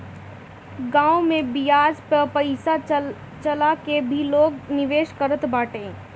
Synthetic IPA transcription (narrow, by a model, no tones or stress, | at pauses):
ɡãːomẽbijaːd͡ʒpəpəɪsa | t͡ʃəlakebʱiloːɡnɪʋeːʃkəɾət̪baːʈẽː